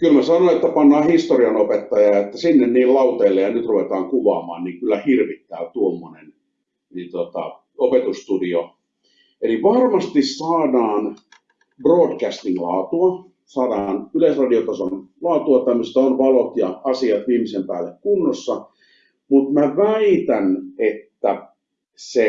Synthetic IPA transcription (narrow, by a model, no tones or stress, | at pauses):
kylmæsɑnonet̪ːæpɑnːɑːhist̪oriɑnopet̪ːɑjɑet̪ːæsinːenniːllɑut̪eilːejɑnyt̪ruʋet̪ɑːŋkuʋɑ̰ːmɑ̰ːnniŋkylːæhirʋit̪ːæːt̪uomːonen | nit̪ot̪ɑ̰ | opet̪ust̪udio | eliʋɑrmɑst̪issɑːdɑːn | broːdkæst̪inlɑːt̪uɑ | sɑːdɑːnylesrɑdiot̪ɑsonlɑːt̪uɑt̪æmːəst̪onʋɑlot̪jɑɑsiɑt̪ʋiːmisempæ̰ːlːekkunːosːɑ | mut̪mæʋæit̪ænet̪ːæ | se